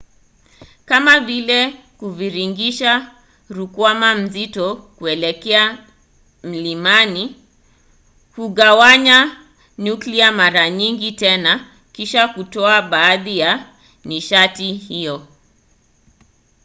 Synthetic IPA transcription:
kamavilɛ | kuviɾiŋɡiʃa | ɾukwamam̩zitɔkuɛlɛkɛa | m̩limani | kuɠawaɲa | nukliamaɾaɲiŋɡitɛna | kiʃakutɔaɓaːðija | niʃatihijɔ

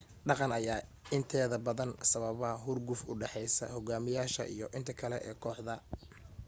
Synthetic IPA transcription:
ɖɑqɑnɐjaː | ɪnt̪ʰɛːðɐbɐðɐnsɐβɐβɐɦʊrɡʊfʊɖɛħɛjsɐ̰hɔɡaːmɪjaːʃɐ̰ʔḭjɔʔɪnt̪ʰɐkʰɐlɛʔɛːkʰɔːħðɐ

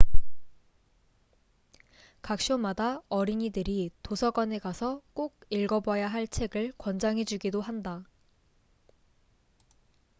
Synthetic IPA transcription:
kak̚ɕ͈omadaʌɾiɲidɯɾitosʰʌɡʌnekasʰʌk͈oɡ̚iɭɡʌbwʌjaɦaɭt͡ɕʰe̞ɡɯɭkwʌnd͡ʑaŋɦe̞d͡ʑuɡidoɦanda

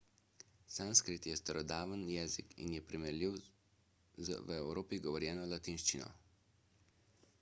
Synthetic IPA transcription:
sanskɾit̪jɛst̪əɾɔd̪aːʋənjɛːzḭkḭnjɛpɾimɛliw | z̰ʋɛwɾoːpiɡɔʋɔɾjɛːnɔlat̪inʃt͡ʃinɔ̰

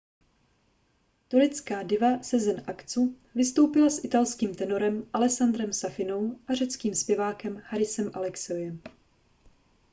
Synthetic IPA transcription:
t̪oɾɛt͡skaːdɪvasɛzɛnʔakt͡su | vɪst̪o̞wpɪlasʔɪt̪alskiːmt̪ɛno̞ɾɛmʔalɛsand̪ɾɛmsafɪno̞wʔar̝ɛt͡skiːmspjɛvaːkɛmhaɾɪsɛmʔalɛksɛojɛm

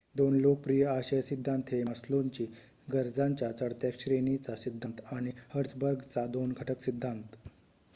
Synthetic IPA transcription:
d̪onlok̚pɾijəaɕejsid̪ʱːãnt̪ɦeməsloɲt͡ɕiː | ɡəɾd͡zaɲt͡ɕjat͡səɽt̪jakɕɾenit͡sasid̪ʱːãnt̪aɽ̃ihəɾt͡sbəɾɡt͡sad̪onɡʱəʈəksid̪ʱːant̪

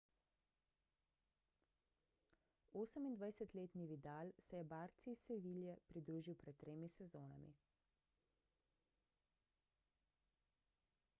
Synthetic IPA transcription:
oːsəmind̪ʋajsɛt̪leːt̪niʋid̪alsɛjɛbaːɾt̪sisɛʋiːljɛpɾid̪ɾuːʒiwpɾɛt̪̚ːɾeːmisɛzoːna̰mḭ

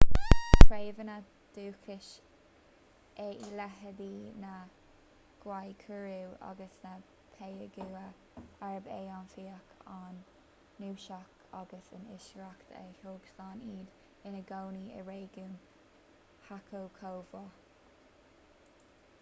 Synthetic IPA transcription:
tʰɾeːvəna | d̪̥uːkʰɪʃ | eʔilɛɦəd̪ina | ɡ̥wajkʰəɹuwa̰ɡəsna | pʰejəɡuːə | aɹəbeːanfiːəkʰanː | uːʃakʰ | aɡəsənɪʃɹakt̪ʰə̰hoːɡslaːniːd̪ | ɪnəɡoːniə̰ɹeːɡuːn | hakʰowkʰoːvɔ

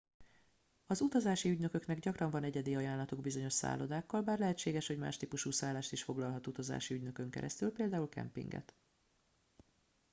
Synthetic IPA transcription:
ɒzut̪ɒzaːʃiyɟnø̞kø̞knɛɡɟɒkrɒɱvɒnɛɟɛd̪iɒjaːnlɒt̪uɡbizo̞ɲo̞ʃsa̰ːlo̞d̪aːkːɒlbaːrlɛɦɛt͡ʃːeːɡɛʃho̞ɟma̰ːʃt̪iːpuʃuːsaːlːaːʃt̪iʃfo̞ɡlɒlɦɒt̪ut̪ɒza̰ːʃiyɟnø̞kø̞ŋkɛ̰ɾɛ̰st̪ylpeːld̪aːulkɛ̰mpḭŋɡɛ̰t̪

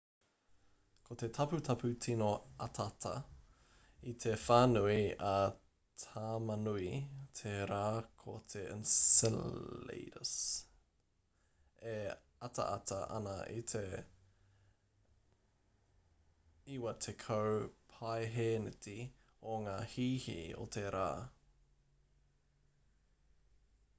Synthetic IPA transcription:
kʰot̪et̪ʰɐput̪ʰɐpʰutʰinoɐtʰɐtʰɐ̰ | it̪ʰefaːnuiɐ | tʰaːmɐnuitʰeɾaːkʰot̪ʰeɪ̰nsɛllḛjɾə̰s | e | ɐtɐ̰ʔɐtɐ̰ʔɐ̰nɐʔḭt̪ʰe | iwɐt̪ʰekʰɐwpʰajɦeːnəti | oŋaːhiːhḭo̰t̪ʰeɾa̰ː

